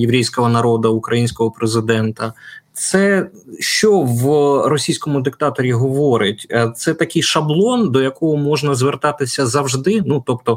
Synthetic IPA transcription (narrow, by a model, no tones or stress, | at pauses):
jeʋɾʲɛjsʲkɔɦɔnɐɾɔd̪ɐukɾɐjinʲsʲkɔɦɔpɾezɪd̪ɛnt̪ɐt̪sɛ | ʃt͡ʃɔʋrɔsʲijsʲkɔmʊd̪ɪk̚t̪ɑt̪ɔɾʲiɦɔʋɔɾɪtʲt̪sɛt̪ɐkɪjʃɐblˠɔnd̪ɔjɐkɔɦɔmɔʒnɐzʋert̪ɑt̪ɪsʲɐzɐwʒd̪ɪnut̪ɔp̚t̪ɔ